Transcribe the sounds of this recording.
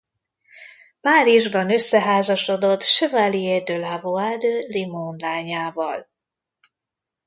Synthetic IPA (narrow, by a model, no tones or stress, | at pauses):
paːɾiʒbɒnøsːɛɦaːzɒʃod̪o̞t̪ʃøvalied̪ølavoad̪ølimonlaːɲaːvɒl